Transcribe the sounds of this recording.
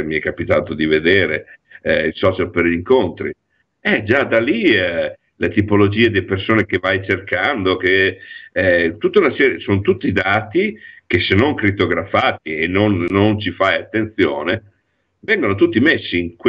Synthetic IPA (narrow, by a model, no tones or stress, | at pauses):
miɛkːapit̪aːt̪od̪ived̪eːɾeɛilsɔːt͡ʃalperʎiŋkont̪ɾi | ɛd͡ʒad̪aliɛ | let̪ipolod͡ʒiːed̪elpersoːnek̟evajt͡ʃerkand̪ok̟eɛt̪ut̪ːaunasɛːɾjesoːnt̪ut̪ːid̪aːt̪ik̟esenoŋkɾit̪ːoɡɾafaːt̪ienːonːont͡ʃifajat̪ːent̪sjo̰ːne | vɛŋɡonot̪ut̪ːimesːiːŋkw